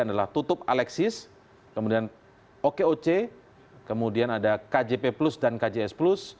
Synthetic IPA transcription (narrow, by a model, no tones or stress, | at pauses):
adalaht̪ut̪ʊp̚alɛksɪs | kəmudian | okeot͡ʃe | kəmudianadakad͡ʒepeplʊsdankad͡ʒeɛsplʊs